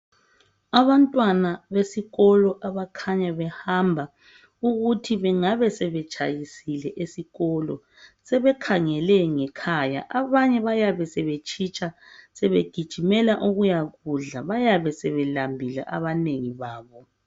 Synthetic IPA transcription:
aβantʼwanaβesiɣɔlɔʔaβakʰaɲaβɛhambʱa | uɣutʰiβɛŋaβɛsɛβɛt͡ʃʼajisilɛʔesiɣɔlɔ̰ | sɛβɛkʰaŋɛlɛŋɛkʰaja̰ʔaβaɲɛβajaβɛsɛβet͡ʃʰʼit͡ʃʼa | sɛβeɡ̥ʱid̥ʒ̥ʱimɛlaʔuɣujaɣuɮaβajaβɛsɛβɛlambʱila̰ʔaβaneŋiβaːβɔ

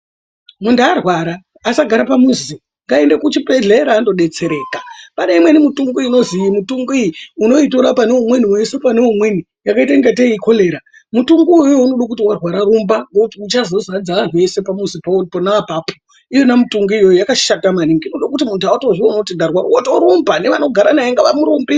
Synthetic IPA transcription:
mundarwaɾaː | saɡʱaɾapamuzi | ŋɡaendakut͡ʃipeɮeɾaːndo̞ɗe̞t͡se̞ɾe̞ːkapane̞imwe̞nimutuŋɡuino̞zijimutuŋɡuijiuno̞itoɾapaneumwe̞niwese̞pane̞umweni | jakaitaiŋɡateiko̞le̞ːɾa | mutuŋɡuːjjjounoɗak̬utiwarwaɾaɾumbaŋɡokutiut͡ʃazo̞zad͡zaʋan̤ue̞se̞pamuzipaponaapaːpʰo | ijonamutuŋɡuijo̞jojakaʃatamaniŋɡiinoɗakutimuntʰuautoʐionotiɡarwaɾwotoɾumbane̞ʋano̞ɡʱaɾanajeŋɡaʋamuɾumbi

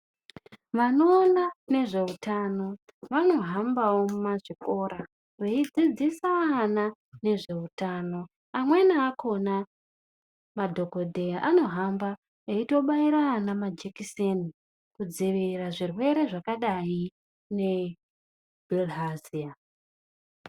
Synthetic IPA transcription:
ʋano̞ːnane̞ʐe̞utʰano̞ | ʋano̞ɦambawo̞maʐiko̞ːɾa | reid͡zid͡zisaːna | ne̞ʐe̞utaːno̞ | amwe̞naːkʰo̞na | madʱo̞ko̞dʱejaʔano̞ɦamba | eito̞ɓaiɾanamad͡ʒekiseni | kud͡ziʋiraʐirwe̞ɾe̞ʐakaɗai | ne̞ | bʱilɦazia

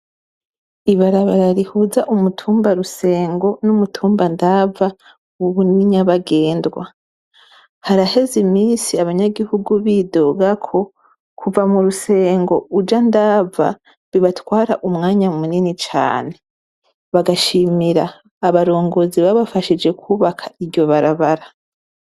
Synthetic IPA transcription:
iβaɾaβaɾaɾihuzaʔumutʰuːmbaɾuse̞ːŋɡo̞numutʰuːmbandava | uβuniɲaβaɡe̞ːndɡwa | haɾahe̞zimiːnsiaβaɲaɡihuɡuβido̞ɡakʰo̞ | kuvamuɾuse̞ːŋɡo̞ud͡ʒandaːva̰ | βiβatwaːɾa̰ʔumŋaːɲamuninit͡ʃa̰ːne̞ | βaɡaʃimiɾaː | βaɾo̞ːŋɡo̞ziβaβafaʃid͡ʒe̞kʰuːβakʰaiɾɟo̞βaɾaβaɾa

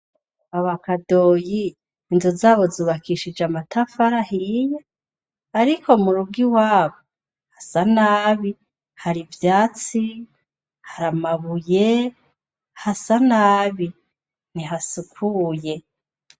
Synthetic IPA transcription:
aβakadoːjiː | nzuzaːβo̞zuːβakʰiʃid͡ʒamatʰafaɾahijaː | ɾikʰo̞muɾuɡiwaːβo | hasanaːβi | haɾivjaːt͡si | haɾamaβuje | hasanaːβi | niɦasukʰuːje̞

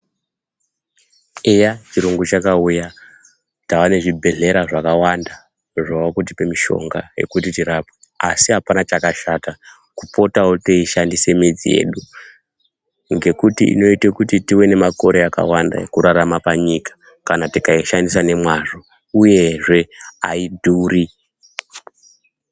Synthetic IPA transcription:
ejat͡ʃiɾuŋɡut͡ʃakauja | tawane̞ʐibʱe̞ɮe̞ɾaʐakawanda | ʐawakut̬ipemiʃo̞̰ŋɡa̰je̞̰kutitiɾape | asiɦapanat͡ʃakaʃata | kupo̞tawoteiʃandise̞mid͡zḭje̞̰ːɗu | ŋɡe̞kutiḭno̞itekutitiwe̞ne̞mako̞ɾe̞aka̰wanda̰ekuɾaɾamapaɲikḁ | kanatikaiʃandisane̞mwaʐo | uje̞ʐe̞a̰idʱuːɾi

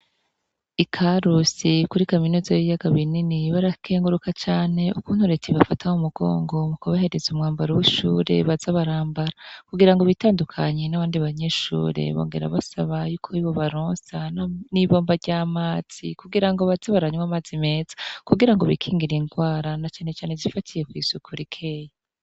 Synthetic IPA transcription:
ikʰaɾusikuɾikaminuːzajijaɡaβininiβaɾakʰe̞ːŋɡuɾukat͡ʃaːne̞ukuːn̥huɾe̞tiβafatʰaumuɡo̞̰ːŋɡo̞mukoβahe̞ɾe̞zumŋaːmbaɾuwiʃuːɾe̞̰βazaβaɾaːmbaɾakuɡiɾaŋɡoβitaːndukʰaɲenaβaːndiβaɲe̞ʃṵːɾe̞̰βo̞̰ːŋɡeɾa̰βasaβajuːkʰoiβo̞βaɾoːsananiβo̞ːmbaɾɟaːmaːz̥ḭkuɡiɾaŋɡo̞βazaβaɾaɲŋwamazime̞ːz̥ḁkuɡiɾaŋɡo̞βikʰiːŋɡiɾiŋɡwaːɾanat͡ʃaːne̞t͡ʃaːne̞zifatʰije̞kwiːzukʰuɾikʰe̞ːja

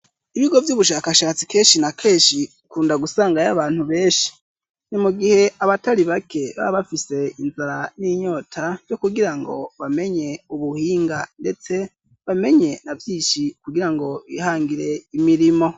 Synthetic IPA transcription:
iβiɡo̞vjuːβuʃaːkaʃaːt͡si̥ke̞ːnʃinakʰe̞ːnʃiukuːndaɡusaːŋɡajaβaːn̥huβe̞ːnʃi̥ | nimuɡihe̞ʔaβataɾiβakʰe̞βa̰βafise̞inzaɾaniːɲo̞ːtʰajo̞kuɡiɾaŋɡo̞̰βame̞ɲe̞uβuhiːŋɡande̞t͡se̞ | βame̞ɲe̞navjiːnʃikuɡiɾaŋɡo̞βihaːŋɡiɾe̞imiɾimo̞

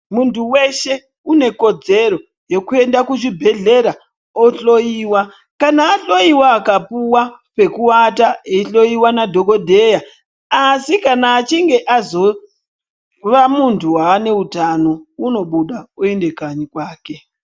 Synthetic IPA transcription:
muntuwe̞ʃe̞ | une̞ko̞d͡ze̞ɾo̞ | je̞kue̞ndakuʐibʱe̞ɮe̞ɾa | oɬo̞jiːwa | kanaːɬo̞iwaːkapuwape̞kuwataeiɬo̞iwanadʱo̞ko̞dʱe̞jaː | sikanaːt͡ʃiŋɡe̞ʔazo̞ | ʋamuntʰuwaːne̞utano̞uno̞ɓuɗaue̞nde̞kaɲikwaːke

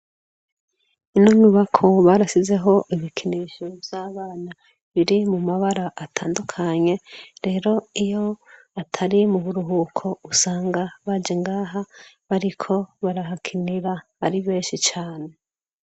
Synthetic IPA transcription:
inoɲuβakʰo̞βaɾasize̞ɦo̞ʔiβikʰiniːʃovjaːβaːna | βiɾimumaβaɾaʔatʰaːndukʰaɲe̞ɾe̞ːɾo̞ijo̞ | atʰaɾimuβuɾuɦuːkʰo̞usaːŋɡaβad͡ʒeŋɡaːɦa | βaɾikʰo̞βaɾaɦakʰiniɾa | a̰ɾiβe̞ːnʃit͡ʃaːne̞

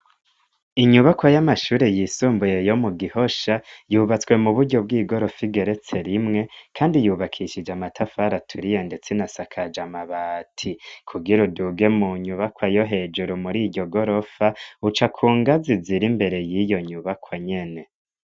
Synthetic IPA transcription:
iɲuβakwajamaʃuːɾejisuːmbuje̞jo̞muɡiho̞ʃajuːβat͡swe̞muβuɾɟo̞bɡiːɡo̞ɾo̞fiɡe̞ɾe̞t͡se̞ɾimŋe̞kʰaːndijuːβakʰiʃid͡ʒamatʰafaɾatʰuɾije̞nde̞t͡senasakʰad͡ʒamaβatʰikʰuɡiɾuduɡe̞muɲuβakwajo̞ɦe̞ːd͡ʒuɾumuɾiːɟɟo̞ɡo̞ɾo̞faut͡ʃakʰuːŋɡaziziɾimbe̞ɾe̞jijo̞ɲuβakʰwaɲe̞ne̞

